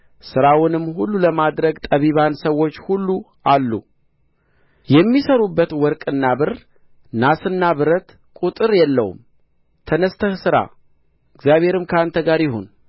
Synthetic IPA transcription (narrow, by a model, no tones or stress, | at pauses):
sɨɾawʊnɨmːhulːuləmad̪ɾəɡt̪ʼəβiβansəwːo̞t͡ʃːhulːu | ʔalːṵ | jɛmːisəɾubːət̪wɔɾkʼɨnːabɨr | nasɨnːaβɨɾət̪ | kʼut̪ʼɨɾjɛlːə̰w̰m | t̪ʰənəst̪ʰəhsɨɾa̰ | ɨɡzjaβhe̞ɾɨmkʰəant̪ʰəɡaɾjɪɦo̰n